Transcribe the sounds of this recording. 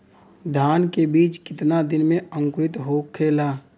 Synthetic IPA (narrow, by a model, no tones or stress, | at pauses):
d̪ʱjaːnkebiːt͡ʃkɪt̪nad̪ɪnmẽə̃ŋkɾɪt̪ɦoːkʰːeːlaː